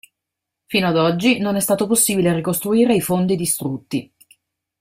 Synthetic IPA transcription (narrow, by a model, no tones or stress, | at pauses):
fiːnoad̪ɔd͡ʒːinonɛst̪aːt̪oposːiːbilerikost̪ɾuiːɾeifond̪id̪ist̪ɾut̪ːi